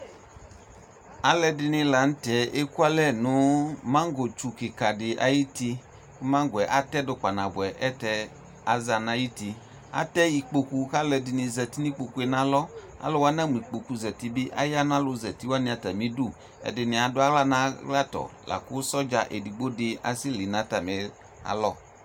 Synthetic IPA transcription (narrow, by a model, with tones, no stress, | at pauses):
a˨lɛ˧dɪ˧nɪ̃˧la˨n̩˦tɛ˨ʔe˦ku˦a˦lɛ˦˨nʊ˨˦mã˦ŋ˦ɡo˨t͡ʃu˨kɪ˨ka˨dɪ˨ʔa̰˨ji˦ti˧˦ | mã˦ŋɡʊ˨ɛ˨ʔa˨tɛ˦dʊ˨k͡pa˨nã˨bʊ˨ɛ˨ʔɛ˦tɛ˧ | a˨za˨na˨˦ji˦ti˧ | a̰˨tɛ˦i˧k͡po˧ku˧ka˦lɛ˧dɪ˧nɪ˨˧zɛ˨ti˦ni˦k͡po˧ku˧ɛ˨˧nã˨˦lɔ˦ | a̰˨˦lɔ˦wa˦na˦mu˨i˨k͡po˨ku˧zɛ˨ti˦bɪ˦ʔa̰˦ja˦na˦lʊ˧zɛ˨ti˦wa˦nɪ˦˧˦a˨ta˨mi˨˦du˦˨ | ɛ̰˨dɪ˨nɪ˨a˨dʊ˦a˦ɣla˦nã˨˦ɡla˦tɔ̰˨la̰˨kʊ˦sɔ˦d͡ʒa˧ʔe˨di˨ɡ͡bo˦dɪ˧a̰˨si˦li˨˦nã˨˦ta˨mɛ˨˦ | a̰˨lɔ˦